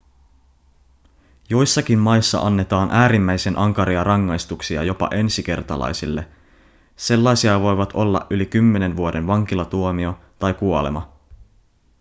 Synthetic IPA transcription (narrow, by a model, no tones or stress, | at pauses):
jo̞jsːɑk̟immɑjsːɑ̰ʔɑnːe̞t̪ɑːnʔæːɾimːæjsenʔɑŋkɑɾiɑrɑŋːɑjst̪uksiɑ̰jo̞pɑ̰ʔe̞nsik̟e̞̰rt̪ɑ̰lɑ̰jsilːe̞ | se̞lːɑjsiɑʋo̞jʋɑt̪ʰo̞lːɑ̰ʔʔylikymːe̞ne̞nʋuo̞de̞nʋɑŋk̟ilɑt̪uomio̞t̪ɑjkuole̞̰mɑ̰